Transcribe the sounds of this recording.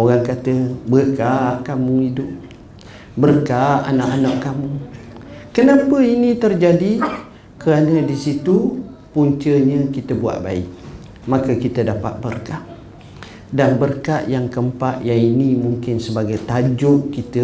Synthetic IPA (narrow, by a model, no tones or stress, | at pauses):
oɾaŋkat̪əbəɾkaʔkamuidʊp̚ | bərkaʔa̰naʔanaʔkamu | kənãpəinĩt̪ərd͡ʒadi | kəɾanədisit̪upuɲt͡ʃəɲəkit̪əbua̰ʔba̰ɪ̰k̚ | makəkit̪ədapa̰t̪̚bərkaʔ̚ | danbərkaʔjaŋkəmpaʔjaŋinimuŋkɪnsəbaɡajt̪ad͡ʒʊʔkit̪ə